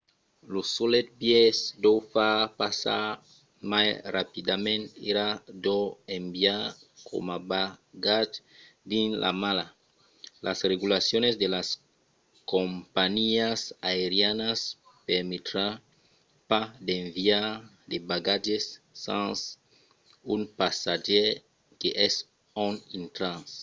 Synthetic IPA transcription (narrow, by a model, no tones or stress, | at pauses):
losolet̪̚bjesd̪owfapasa̰ | majrapid̪amẽnt̪iɾad̪oembjakʰo̰mabaɡad͡ʒ | d̪inlʔa̰mala | lʔasreɣulasjonezd̪elas | kompaɲiasaeɾjanas | peɾmet̪ɾa | pad̪eɱviaɾ | d̪ebaɡad͡ʒesːãns | unpasaʒe | keʔɛs | onint̪ɾãns